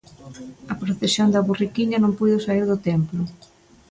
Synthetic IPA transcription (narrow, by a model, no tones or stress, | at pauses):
ɐpɾoθesjond̪ɐβurikiʎɐnõmpujðʊsaiɾðʊt̪ɛmplʊ